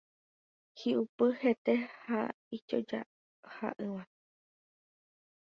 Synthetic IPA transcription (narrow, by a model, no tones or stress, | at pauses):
hiʔupɨhet̪eha | it͡ʃo̰d͡ʒa̰ | ha̰ʔɨwã